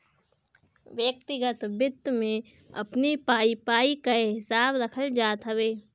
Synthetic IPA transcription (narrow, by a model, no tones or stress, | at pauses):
ʋjək̚t̪ɪɡət̪bɪd̪mẽ | ɐ̰pnipaːipaːikaɦɪsaːbɾɐkʰəld͡ʒaːt̪ɦɐʋeː